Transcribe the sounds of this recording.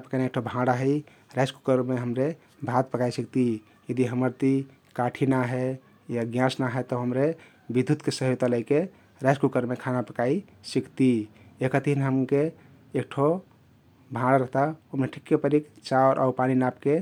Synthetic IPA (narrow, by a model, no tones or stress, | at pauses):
pəkanek̚ʈʰobʱãɽaɦəi | ɾaskukəɾmeɦəmɾe | bʱat̪̚pəkaisəkt̪i | jəd̪iɦəməɾt̪i | kaʈʰinaɦɛ | jaɡjãsnaɦɛt̪ɔɦəmɾe | bid̪ʱːut̪kesəɦot̪aləike | ɾaskukəɾmekʰanapəkai | sikt̪i | ekət̪iinɦəmkeː | kʈʰo | bʱãɽaɾəɦt̪aomeʈʰikːepəɾikt͡ʃaoɾʔa̰upaninapke